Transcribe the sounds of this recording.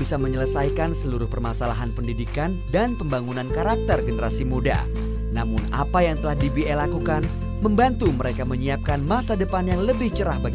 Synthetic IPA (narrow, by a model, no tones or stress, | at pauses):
bisaməɲələsajkansəluɾʊhpərmasalaɦanpəndidikandanpəmbaŋunankaɾak̚t̪ərɡənəɾasimuda̰ | namʊna̰pajaŋt̪əlahdibiʔɛlakukan | məmbant̪uməɾekaməɲiap̚kanmasadəpanjaŋləbɪht͡ʃəɾahbaɡ